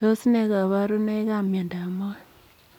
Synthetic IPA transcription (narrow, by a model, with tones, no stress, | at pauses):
o˦si˦ne˨ɣa˨βa˦ɾu˦ne˦ka˦mja˨nda˨mo˦˨